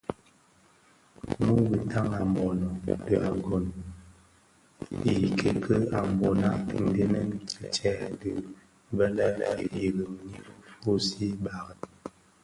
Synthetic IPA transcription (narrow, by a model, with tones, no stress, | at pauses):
nu˦bi˨ta˦ŋa˨m˨bɔ˨nɔ˨də˨a˨ɡo˨n | i˨kʰe˨kʰə˦a˨m˨bɔ˨na˦˨n˨˦de˦nɛ˦n˦ki˦t͡ʃɛ˦˨də˨˦ | bɛ˦lɛ˦lɛ̰˦˨ji˨ɣə˨ŋ˨ni˦ɾfo˦si˦ba˨ɣə˨t